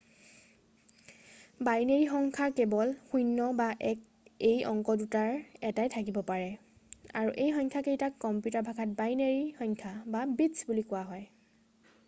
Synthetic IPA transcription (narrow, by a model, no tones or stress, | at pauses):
bajneɹixɔŋkʰaɹkebɔlxujnːɔbaʔɛk | ejʔɔ̰ŋkɔdutaɹɛtajtʰakibɔpaɹɛ | a̰ɹuʔejxɔɲkʰakejtakːɔmpjutaɹbʱakʰat̚bajneɹixɔɲkʰababitsbulikʊaɦɔj